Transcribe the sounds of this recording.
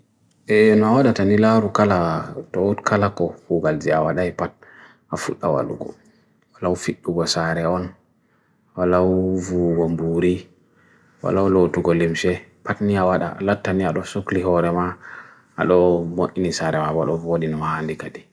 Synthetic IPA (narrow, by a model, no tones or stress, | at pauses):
ʔɛnɔawaɗatanilaɾukalatɔutkʰalakɔhuɡald͡ʒiawaɗajpat̚ | afuɗːawa̰lṵɡɔ̰ | walaufiɗːuɡɔsaɾɛɔn | walavuɡɔmbuɾi | wa̰lalotuɡɔlimʃɛpatniawaɗa̰a̰latːaniaɗɔsokliɦɔɾɛma̰ː | ɗɔboʔinisaɾɛmabaɗɔvoɗinɔhandikadi